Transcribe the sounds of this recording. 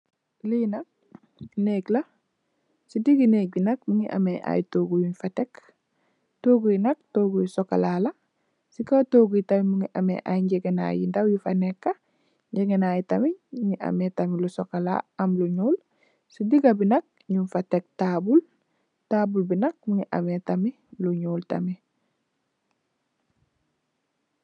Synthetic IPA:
linɐk̚ | neɡla | sidiɡinebinɐk̚muŋḭʔa̰meʔa̰jtoːɡujinfatek | toɡujinɐk̚toɡujisoka̰lala | sikawtoːɡujitamimuŋiʔamḛʔa̰jiɲɟeɡena̰jḭndawjifanekːa | ɲɟeɡenaːjitamiŋiʔa̰metamilusokala̰amluɲuːl | sidiɡabinak̚ɲunfatek̚tabul | taːbulbinɐk̚muŋiʔa̰metami | luɲuːlta̰mi

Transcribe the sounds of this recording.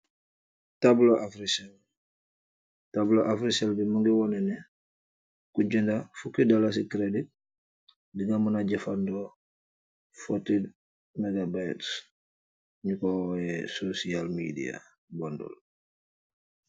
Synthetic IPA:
tabloʔafɾisɛl | tabloʔafɾiselbimoŋɡiwɔnɛnɛ | kuɟɛndafukidalas̬ikɾedit̚ | diŋamunaɟɛfandɔ | fotid | meɡabajts | ɲukoɛsosialmḭdḭa̰ | bɔndɔ̰l

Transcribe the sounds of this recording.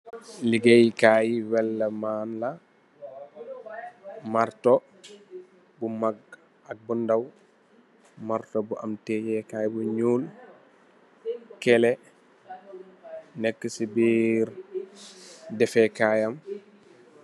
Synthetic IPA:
liɡɛjikaːjiwɛlːɐmaːnla | maɾtɔ | bumaɡ̚ | ak̚bundaw | maɾtɔbuʔamtɛjɛkajbuɲuːl | kɛlɛ | nɛkːəsibiɾ | dɛfɛkajɐm

